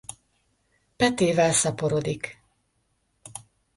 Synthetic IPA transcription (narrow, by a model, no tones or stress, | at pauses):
pɛt̪eːvɛlsɒpoɾoːd̪ik